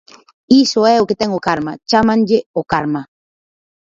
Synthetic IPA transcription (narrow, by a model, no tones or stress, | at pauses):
isoeoket̪eŋokaɾmat͡ʃamand͡ʒeokaɾma